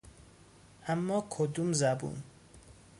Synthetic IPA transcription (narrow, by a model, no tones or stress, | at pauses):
ʔæmːɒːkʰod̪umzæbṵn